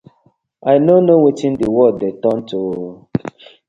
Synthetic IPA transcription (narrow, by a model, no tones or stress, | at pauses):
ʔaɪnonowitĩndiwɔdetɔntʰu